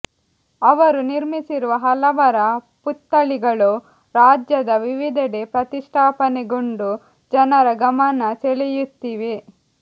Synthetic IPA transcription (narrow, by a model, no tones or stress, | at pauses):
ɐʋɐɾuniɾmisiɾuʋɐɦɐlɐʋɐɾɐ | put̪ːɐɭiɡɐɭu | ɾaːd͡ʒjɐd̪ɐʋiʋid̪ɐɽepɾɐt̪iʂʈʰaːpɐneɡoɳɖu | d͡ʒɐnɐɾɐɡɐmɐnɐseɭɛjut̪ːiʋe